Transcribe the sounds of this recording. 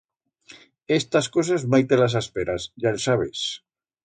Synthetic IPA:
est̪askos̬azmajt̪elas̬aspeɾasʝalsaβḛs

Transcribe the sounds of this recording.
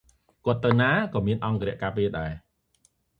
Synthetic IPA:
kŏət̪ːɨwnaːkɑːmiənʔɑŋkəɾɛ̆əʔkaːpiəɗaɛ

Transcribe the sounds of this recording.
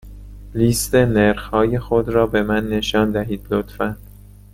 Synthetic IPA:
liːst̪e̞neɾxhɒːjexod̪ɾɒːbe̞mænːe̞ʃɒːnd̪æɦiːd̪̥lot̪fænd̪̥

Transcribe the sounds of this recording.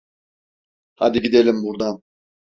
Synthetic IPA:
had̪iɡid̪elʲimbuɾd̪ɑn

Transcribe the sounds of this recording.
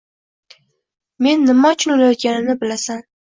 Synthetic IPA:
me̞nːɪmaʊt͡ʃʰɪnolajɒt̪̚kʲanɪnɪbɪlasan

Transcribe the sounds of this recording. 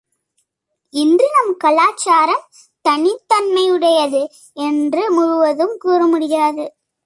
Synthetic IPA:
ɪndrɯnɐmkɐlaːt͡ʃːaːɾɐm | t̪ɐnɪt̪ːɐnmɐɪɯɽɐjɐðɯ | ɛndrɯmʊɻʊʋɐðɯmkuːrɐmʊɽɪjaːðɯ

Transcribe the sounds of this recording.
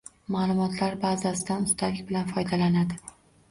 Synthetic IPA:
maːlˠʊmɒt̪ʰlaɾbazasɪd̪anʊst̪ʰalɪkʲbɪlanfɒjd̪alanad̪ɪ

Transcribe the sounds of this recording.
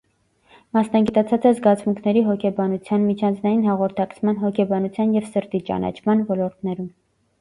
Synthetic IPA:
mɑsnɑɡit̪ɑt͡sʰɑt͡sɛzɡɑt͡sʰmuŋkʰnɛɾiɦɔkʰɛbɑnut͡sʰjɑnmit͡ʃʰɑnt͡sʰnɑjinhɑʁɔɾt̪ʰɑkt͡sʰmɑnɦɔkʰɛbɑnut͡sʰjɑnjɛvsəɾt̪it͡ʃɑ̰nɑ̰t͡ʃʰmɑnvɔlɔɾt̪̚ʰnɛɾum

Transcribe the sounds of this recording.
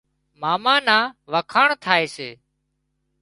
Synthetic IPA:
maːmãːnaːʋəkʰaːɳt̪ʰaːeːseː

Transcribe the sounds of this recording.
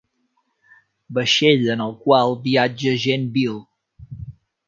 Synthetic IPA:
bəʃeʎənəlˠkwalˠbiad͡ʒəʒenbilˠ

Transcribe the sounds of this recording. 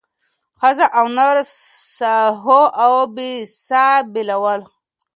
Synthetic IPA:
xazaʔawnaɾsaɦoʔawbisabilawəl

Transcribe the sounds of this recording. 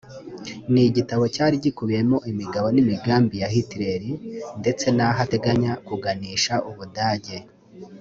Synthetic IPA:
niɟitaβo̞caːɾiɟikuβije̞mo̞ʔimiɡaβo̞nimiɡaːmbijahitiɾe̞ɾinde̞t͡se̞naɦate̞ɡaɲakuɡaniːʃaʔuβudaːɟe̞

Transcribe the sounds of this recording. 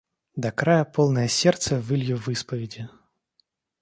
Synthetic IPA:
d̪ɐkɾajəpolˠnəjəsʲert̪səvɨlʲjuvɨspəvʲɪdʲɪ

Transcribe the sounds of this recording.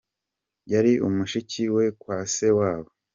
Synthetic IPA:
jaɾiʔumuʃiciwe̞kwaːsewaːβo

